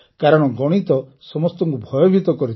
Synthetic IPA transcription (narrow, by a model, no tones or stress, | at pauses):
kaɾɔɽ̃ɔɡɔɽ̃it̪ɔ | sɔmɔst̪ɔŋkubʱɔjɔbʱit̪ɔkɔɾit̪